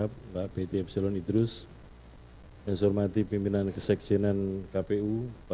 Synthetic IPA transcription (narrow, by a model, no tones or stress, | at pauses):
ap̚baʔb̥et̪eɛp̚selɔnid̪ɾʊs | mɛnsɔrmat̪ipimpinankəsɛk̚sinɛnkapeupa